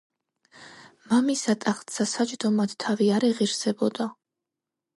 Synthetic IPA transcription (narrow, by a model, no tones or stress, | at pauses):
mamisat̪ʼaχt̪sasat͡ʃʼd̪ɔmad̪̥t̪ʰːaviaɾɛʁiɾsɛbɔd̪a